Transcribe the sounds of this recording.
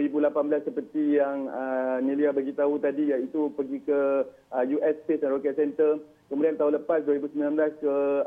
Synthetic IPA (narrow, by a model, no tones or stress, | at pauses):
ɾibulapanbəlasːəpərt̪ijaŋəniliabaɡit̪aɦut̪adijait̪upəɡikə | əjuʔɛspesanɾokɛt̪̚sɛnt̪ər | kəmudiant̪aɦũləpasduəɾibusəmbilanblaskə